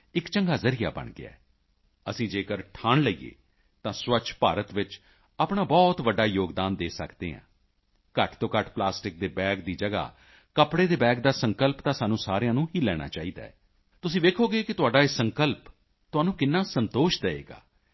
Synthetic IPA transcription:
ɪkt͡ʃəŋɡaːzəɾija̰ːbə̰ɳɡɪ̰a̰ː | əsĩːd͡ʒeːkəɾʈʰaːnləiːḛː | t̪ãːswət͡ʃʰpaːɾət̪ʋɪt͡ʃ | aːpɳaːbɔːt̪ʋəɖːaːjoːɡd̪aːnd̪eːsə̰kd̪ḛːɦã̰ː | kəʈʰt̪õːkəʈplaːsʈɪk̚d̪eːbɛːɡ̚d̪iːd͡ʒəɡa̰ː | kəpɽeːd̪eːbɛːɡ̚d̪aːsəŋkəlpt̪ãːsaːnũːsaːɾejãːnũːɦiːlɛːɽ̃a̰ːt͡ʃaːiːd̪a̰ːɛː | t̪ʊsĩːd̪eːkʰoːɡeːkɪt̪ʊaːɖaːesəŋkəlp | t̪ʊaːnũːkɪnːaːsənt̪oːʃd̪əḛːɡa̰ː

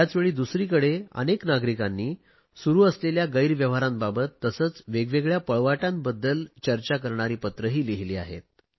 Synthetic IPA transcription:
t̪jat͡sʋeɭiːd̪usɾiːkəɽeə̰neknaɡɾikanːiː | suɾuːəsleljaɡəiɾʋjəʋɦaɾãmbabət̪ːəsəːt͡sʋeɡʋeɡɭjapəɭʋaʈãmbəd̪ːəlt͡ɕəɾt͡ɕakəɾɳaɾiːpət̪ɾəɦiːliɦliːa̰ɦḛt̪̚

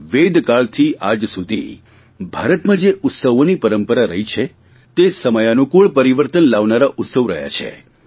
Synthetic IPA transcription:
ʋed̪ʱkaɭt̪ʰiʔad͡ʒsud̪ʱḭ | bʱaɾət̪mãd͡ʒeʔʊt̪səʋonipəɾəmpəɾaɾəɦit͡ʃʰe | t̪esəməjanũkuɭpəɾiʋəɾt̪ənlaʋnaɾaʔʊt̪səʋɾə̰ɦja̰t͡ʃʰḛ

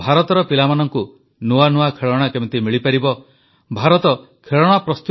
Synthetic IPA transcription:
bʱaɾɔt̪ɔɾɔpilamanɔŋku | nuanuakʰeɭɔɽ̃akebet̪imiɭipaɾibɔ | bʱaɾɔt̪ɔ | kʰeɭɔɽ̃apɾɔst̪u

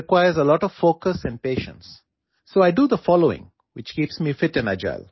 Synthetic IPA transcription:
ɪkwaɪəzəlɔʈɔʋfoːkəsɛ̃n̚peːʃə̰̃nsː | oːaɪɖud̪əfɔːloːɪ̰̃ŋ | wɪt͡ʃkiːpsmiːfɪʈɪ̃na̰d͡ʒa̰l

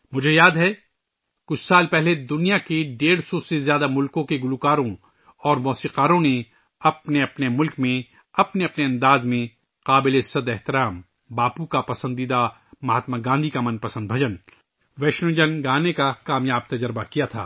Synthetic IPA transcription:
mʊd͡ʒʱejaːd̪ɦɛː | kʊt͡ʃʰsaːlpɛɦled̪ʊnijakeɖeːɽsɔsezjaːd̪amʊlkõkeɡʊlukaːɾõ | ɔːɾmɔːsiːqaːɾõne | ɐpneɐpnemʊlkmẽ | ɐpneɐpneɐ̃nd̪aːzmẽ | qaːbɪlesɐd̪ɛɦt̪ɪɾaːm | baːpukapɐsə̃nd̪id̪a | mɐɦət̪maɡãːnd̪ʱikamɐ̃npɐsə̃nd̪̚bʱɐd͡ʒən | ʋɛːʃnõːd͡ʒənɡaːnekakaːmjaːb̚t̪ɐd͡ʒəɾbakijat̪ʰa̰ː

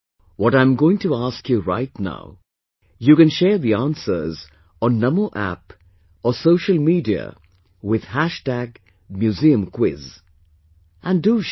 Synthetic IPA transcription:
wɔɾãɪ̃mɡoɪ̃ŋtuaskjuɹa̰ɪtna̰ʊ | jukɨ̃nʃɛːðiãnsə̰˞z | ɔ̃nːʌmoʔæ̰p | əsoʊʃəlˠmiːdiə̰ | wɪð̥hæʃtæɡ | mjuziə̃mkʰwɪz | ʔæ̃ndu

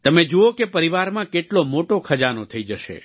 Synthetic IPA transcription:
t̪əmed͡ʒuokepəɾiʋaɾmãkeʈlomoʈokʰəd͡ʒanot̪ʰəid͡ʒəʃḛ

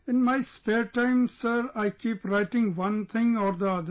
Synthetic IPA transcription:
ɪ̃nmaɪspeːɾʈãɪ̃msəɾaɪkiːpɾaɪʈɪ̃ŋɡʋʌ̃nt̪ʰɪ̃ŋɔːɾd̪əʌd̪əɾ

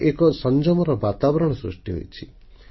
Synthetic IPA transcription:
ʔekɔsɔnd͡ʒɔmɔɾɔbat̪abɔɾɔɽ̃ɔsɾṵʂʈiɦo̰jt͡ʃʰi̥

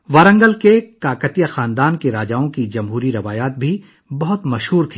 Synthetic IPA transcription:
ʋɐɾə̃ŋɡəlkekaːkət̪ijaxaːnd̪aːnkeɾaːd͡ʒaːõkid͡ʒɐmɦuːɾiɾɐʋaːjaːt̪̚bʱi | bɐɦʊt̪mɐʃɦuːɾt̪ʰiː

